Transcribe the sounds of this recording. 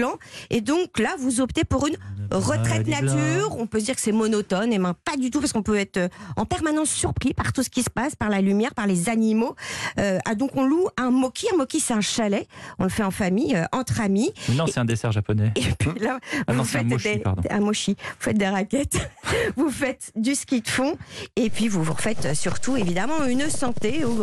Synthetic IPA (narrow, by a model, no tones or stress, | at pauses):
lɑ̃ed̪ɔ̃klavuzɔpt̪epuʁynʁət̪χɛtt̪nat̪yʁɔ̃pøs̬d̪iʁkə̥sɛmɔnɔt̪ɔnemɛ̃pad̪yt̪upaʁsəkɔ̃pøɛt̪χøɑ̰̃pɛʁmanɑ̃sːyʁpχipaʁt̪usə̥kʲisə̥paspaʁlalymjɛʁpaʁlezanimoøad̪ɔ̃kɔ̃luɛ̃mɔkʲʰiɛ̃mɔkʲisɛt̪ɛ̃ʃalɛɔ̃ləfɛɑ̃famijøʔɑ̃t̪χaminɔ̃sɛt̪ɛ̃d̪esɛʁʒapɔnɛepɥilavfɛʃd̪epaʁd̪̰̃ɛ̰̃mɔʃivufɛt̪̚d̪eʁakʲɛt̪vufɛt̪d̪əsə̥kʲit̪əfɔ̃epɥivuvuʁfɛt̪øsyʁt̪uevid̪amɑ̃ynsɑ̃t̪eu